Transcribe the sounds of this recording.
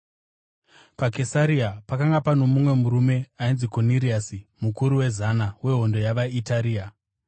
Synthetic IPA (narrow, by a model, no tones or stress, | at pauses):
pake̞saɾiapakaŋɡapano̞mumwe̞muɾume̞ainziko̞niɾiasimukuɾuwe̞zanawe̞ɦo̞ndo̞jaʋaitaɾiːa